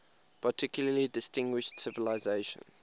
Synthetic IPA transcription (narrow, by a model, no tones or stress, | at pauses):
pʰətʰɪkjʊləlidɪstɪ̃ŋɡwɪʃtsɪvɪlaɪzeɪʃə̰̃n